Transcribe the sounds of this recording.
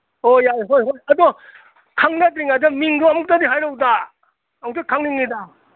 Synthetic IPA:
ojajɦojɦojɐdɔ | kʰaŋnad̪ɾiŋadamiŋdoamɔk̚tadiɦajɾowda | mktakʰaŋniŋnida

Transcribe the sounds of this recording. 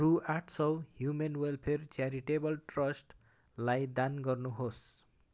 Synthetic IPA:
ruaʈʰsʌwhjumenwelpʰert͡saɾiʈebʌlʈrʌsʈ | lajd̪anɡʌrnuɦos

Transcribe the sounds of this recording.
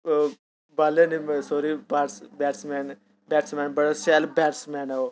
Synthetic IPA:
baleːnimsoːɾiːbaːɾsbɛːɾsmɛːn | bɛːʈsmɛːnbəɽasɛːlbɛːɾsmɛːnao

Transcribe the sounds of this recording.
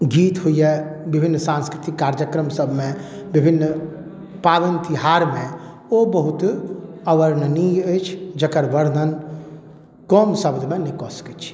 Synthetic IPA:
ɡiːt̪ɦʊiɦɛbɪbʱɪnːsãːnskɾɪt̪ɪkːaːɾd͡ʒjəkɾəmsəbʱmẽ | bɪbʱɪnː | paːd̪ənt̪ɪɦaːɾmẽ | obəɦʊt̪əʋəɾnəniət͡ʃʰd͡ʒəkəɾʋəɾnən | kɔːmsəbd̪ʱmẽnikoːsə̥kit͡ʃʰ

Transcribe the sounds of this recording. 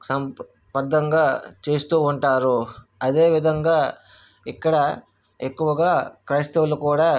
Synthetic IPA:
sɐm | pɐd̪ːɐŋɡaːt͡ʃe̞ːst̪uːuɳʈaːɾu | ɐd̪e̞ːʋid̪ʱɐŋɡaː | ikːɐɽɐ | ekːuʋɐɡaːkɾɐst̪ɐʋulukuːɽaː

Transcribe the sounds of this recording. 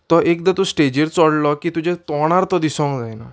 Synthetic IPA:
t̪ɔek̚d̪at̪usʈed͡ʑeɾt͡sɔɽlɔkiːt̪ud͡ʑet̪ɔɽ̃aɾt̪ɔd̪isɔ̃kd͡zajna̰

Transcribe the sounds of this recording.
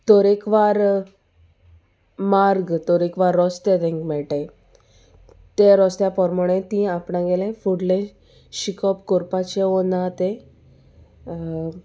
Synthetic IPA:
t̪ɔɾekʋaɾ | maɾɡt̪ɔɾekʋaɾːɔst̪et̪ẽŋkmɛɭʈẽ | t̪eɾɔst̪japɔɾmɔɽ̃ẽt̪ĩapɳãɡelẽfuɽlẽ | ɕikɔpkoɾpat͡ɕeonat̪e

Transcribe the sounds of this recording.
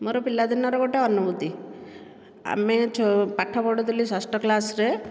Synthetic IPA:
moɾopilːad̪inːɔɾɔɡoʈeɔnːubud̪i | a̰met͡ʃʰɔpaʈʰːapɔɽut̪ulisasʈɔklasɾe

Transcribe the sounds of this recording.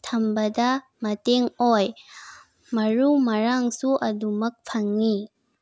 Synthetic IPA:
t̪ʰɐmbɐda | mɐteŋoj | mɐɾumɐɾaŋsuʔɐdumɐk̚pʰaŋːi

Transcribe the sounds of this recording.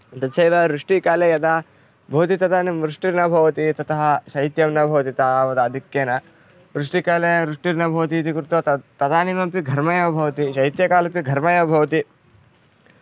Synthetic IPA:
d̪ɐt̪sejʋɐɾuʂʈikaːlejɐd̪a | bʱoːt̪it̪ɐt̪aːnimɾuʂʈiɾnɐbʱɐʋɐt̪it̪ɐt̪ɐɦɐʃɐjt̪jɐmnɐbʱɐʋɐt̪it̪aːʋɐd̪ɐɐd̪ʱikːeːnɐ | ʋɾuʂʈikaːleɾuʂʈiɾnɐbʱɐːɐt̪iːt̪̬ikɾut̪ʋɐt̪ɐd̪aːnimɐmpiɡʱɐɾmɐjɐbʱɐʋɐt̪iʃɐjit̪jɐkaːlɐpiɡʱɐɾmɐjɐbʱɐʋɐt̪i

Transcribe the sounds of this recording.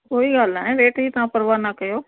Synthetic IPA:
koːiɡaːl̤naːɦẽɾeːʈɦiːt̪ɐʋãpɐɾʋaːnɐkɐjoː

